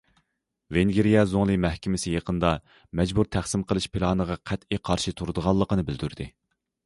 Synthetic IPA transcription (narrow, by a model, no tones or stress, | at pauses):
veŋɡʲiɾijɛzoŋlˠɨmɛhkʲɪmɪsɪjeqənd̪ɑ | mɛd͡ʒbuɾt̪ʰæχsɪmqʰəlˠɨʃpʰilˠɑːnəʁɑqʰæt̪iqʰɑɾʃɨt̪ʰuɾɨd̪əʁɑlˠːəqənɨbɪld̪yɾd̪ɪ